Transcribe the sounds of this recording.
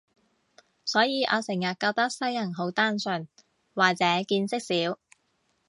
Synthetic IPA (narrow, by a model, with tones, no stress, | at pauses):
sɔː˨˥jiː˨˧ʔɔ̰ː˨˧sɪ˨˩ŋjɐ˨t̚kaː˧wt̪ɐ˥k̚sɐ˥jɐ˨˩nɦo˨˥wt̪aː˥nsɵ˧n | waː˨t͡sɛː˨˥kiː˧nsɪ˥k̚siː˨˥w